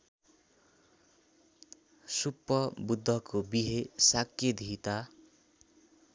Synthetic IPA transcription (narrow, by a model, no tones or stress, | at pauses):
supːʌbud̪ʱːʌkobiɦesakːjed̪ʱit̪a